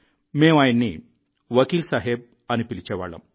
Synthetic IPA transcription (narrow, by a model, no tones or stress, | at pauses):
mẽʋajnːḭ | ʋəkiːlsaɦeb̚ | añipilt͡ɕeʋa̰ɭə̰m